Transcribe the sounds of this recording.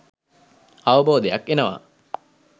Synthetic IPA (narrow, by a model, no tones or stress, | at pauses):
aʋəboːd̪ejakenəʋa̰